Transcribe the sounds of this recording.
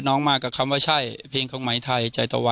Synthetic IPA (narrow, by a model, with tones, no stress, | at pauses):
t̪̚nɔː˧˥˩ŋmaː˧˩kːa˨˩kʰa˧mwaː˧˩t͡ɕʰa˧˥˩jpʰeː˧ŋkʰɔː˨˦ŋma˨˩˦jt̪ʰa˧˩jha˧˩t͡ɕa˧˩t̪ɔː˧˩wa˧